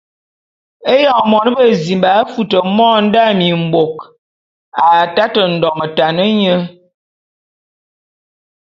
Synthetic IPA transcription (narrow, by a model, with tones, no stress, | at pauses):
e˦jɔ˨mɔ˨nə˦bə˦zi˨mba˨˦fu˦tə˨mɔ˦n̩˦da˦˨mi˨m˨bo˨k | a˨ta˦tə˨n̩˨dɔ˨mə˨ta˨nə˦ɲə˦